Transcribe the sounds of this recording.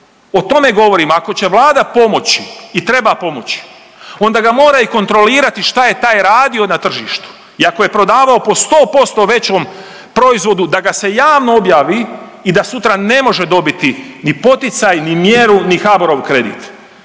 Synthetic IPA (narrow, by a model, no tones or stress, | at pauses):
o̞t̪o̞me̞ɡo̞ʋo̞ɾimako̞t͡ɕe̞ʋlˠaːd̪apo̞mo̞t͡ɕi̥ːt̪ɾe̞bapo̞mo̞t͡ɕi̥ | o̞nd̪aɡamo̞ːɾaiko̞nt̪ɾo̞liːɾat̪iʃt̪aje̞t̪aːjɾaːd̪io̞nat̪r̩ʒiːʃt̪u̥ | iakoje̞pɾo̞d̪aːʋaopo̞st̪o̞ːpo̞st̪o̞ʋe̞t͡ɕom | pɾo̞izʋo̞d̪ud̪aɡase̞jaːʋno̞objaːʋiːd̪asut̪ɾane̞mo̞ʒe̞d̪o̞bit̪inipo̞t̪it̪sajnimje̞ɾunixaboɾoʋkɾe̞d̪ḭːt̪